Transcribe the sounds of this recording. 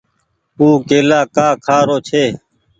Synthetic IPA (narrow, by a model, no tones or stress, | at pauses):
puːkeːlaːkaːkʰaːɾoːt͡ʃʰeː